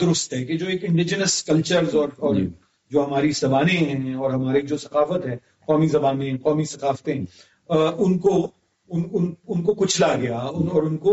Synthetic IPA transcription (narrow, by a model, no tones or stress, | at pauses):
d̪ʊɾʊst̪ɦɛk̬ed͡ʒoːeːkɪ̃ɳɖɪd͡ʒnəskɐlt͡ʃəɾzɔːɾɔːɾ | d͡ʒoːɦɐmaːɾisɐbaːnẽɦɛ̃ɔːɾɦɐmaːɾeid͡ʒoːsɐqaːfət̪ɦɛ | qɔːmizɐbaːnẽɦɛ̃qɔːmisɐqaːft̪ẽ | ʊnko | ʊnʊnʊnkokʊt͡ʃʰlaɡɐjaʊnɔːɾʊnko